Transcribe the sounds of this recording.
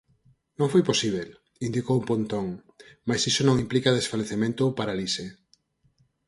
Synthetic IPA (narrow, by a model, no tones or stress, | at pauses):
nõŋfojposiβel | ind̪ikowupont̪oŋ | majsisonõŋimplikaðesfaleθemẽnt̪ʊpaɾalise